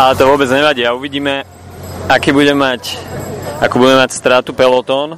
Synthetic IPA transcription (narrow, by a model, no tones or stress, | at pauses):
alɛt̪ɔʋʊɔbɛd͡zɲɛʋaɟiːauʋiɟiːmɛ | akiːbuɟɛmac | akuːbuɟɛmɛmacst̪ɾaːt̪upɛlɔt̪ɔːn